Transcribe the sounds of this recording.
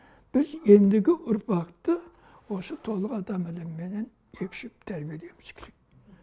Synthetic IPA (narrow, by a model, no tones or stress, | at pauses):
b̥ɪze̞nd̪ɪɡʲɪʔʊɾpɑqt̪ə | wo̞sət̪ʰo̞lˠəqɑd̪ɑmɪlɪmːe̞ne̞n | e̞kʲɪ̥ʃɪp̚t̪ʰæɾbijele̞mɪz̥kʲʰeɾek̚